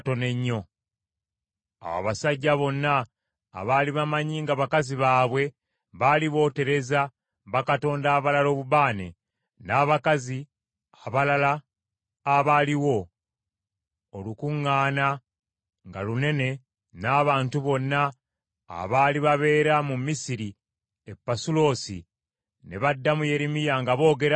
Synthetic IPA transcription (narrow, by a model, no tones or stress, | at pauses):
to̞ne̞ɲːo̞ | a̰wa̰βasaɟːaβo̞nːa̰ː | βaːliβamaɲiŋɡaβakaziβaːβwe̞ | βaliβo̞ːte̞ɾe̞za | βakato̞ːndaːβalalo̞ːβubaːnḛ | naːβakazi | aβalalaː | βaliwo̞ | lukuŋːaːna | ŋɡa̰lune̞ne̞ | naːβaːntuβo̞nːa̰ː | βaːliβaβe̞ːɾamumːisiɾi | epːasulo̞ːsḭ | ne̞βadːamuje̞ɾimijaŋɡaβo̞ːɡe̞ɾa